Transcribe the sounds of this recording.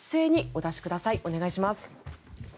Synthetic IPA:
se̞ːɲ̟io̞d̪aɕi̥kɯ̟d̪asaiʔo̞ne̞ɡaiɕimasɨ̥

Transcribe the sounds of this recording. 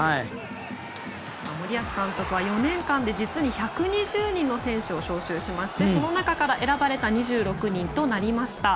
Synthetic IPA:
ai | saːmo̞ɾʲiasɨ̥kãnt̪o̞kɯ̟β̞ajo̞nẽ̞ŋkãnd̪e̞d͡ʑit͡sɨɲ̟içakɯ̟ɲ̟iʑɨːɲ̟ĩnːo̞sẽ̞ɰ̃ɕɨo̞ɕo̞ːɕɨːɕimaɕi̥t̪e̞so̞no̞nakakaɾaʔe̞ɾabaɾe̞t̪aɲ̟iʑɨːɾo̞kɯ̟ɲ̟ĩnt̪o̞naɾʲimaɕi̥t̪a

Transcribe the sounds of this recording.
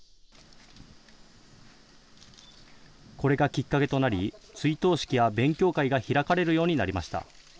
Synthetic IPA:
ko̞ɾe̞ɡakʲikːake̞t̪o̞naɾʲit͡sɨit̪o̞ːɕi̥kʲijabẽ̞ŋkʲo̞ːkaiɡaçiɾakaɾe̞ɾɯjo̞ːɲ̟inaɾimaɕi̥t̪a̰

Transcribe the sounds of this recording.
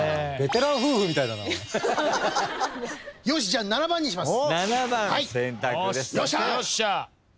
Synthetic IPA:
be̞t̪e̞ɾãɰ̃ɸɯ̟ːɸɯ̟mʲit̪ainana̰ | joːɕ̬id͡ʑananabãɲ̟ːĩɕimasnanabãhaisẽnt̪akɯd̪esjoɕajoɕa

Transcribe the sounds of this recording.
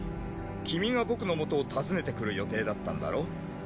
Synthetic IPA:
kʲimʲiɡabo̞kɯ̟no̞mo̞t̪o̞ːt̪azɨne̞t̪e̞kɯ̟ɾɯ̟jo̞t̪e̞ːd̪at̪ːã̰nd̪a̰ɾo̞

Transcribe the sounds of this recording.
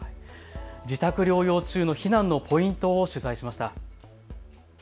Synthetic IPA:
d͡ʑit̪akɯ̟ɾʲo̞ːjo̞ːt͡ɕɨːno̞çinãnːo̞pʰo̞ĩnt̪o̞ːɕɨzaiɕimaɕi̥t̪a

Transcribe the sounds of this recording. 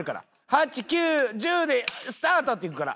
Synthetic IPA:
ɾɯ̟ka̰ɾa̰ | hat͡ɕikʲɨːʑɨːd̪e̞sɨ̥t̪aːt̪ot̪ːeikɯ̟kaɾa̰

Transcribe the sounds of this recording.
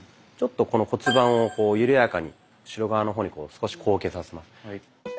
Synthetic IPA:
t͡ɕo̞t̪ːo̞ko̞no̞ko̞t͡sɨbãɰ̃o̞ko̞ːjɯ̟ɾɯ̟jakaɲ̟ḭ | ɕiɾo̞ɡaβano̞ɦo̞ːɲ̟iko̞̰ːsɨ̥ko̞ɕi̥kʰo̞ːke̞sasemasɨ̥

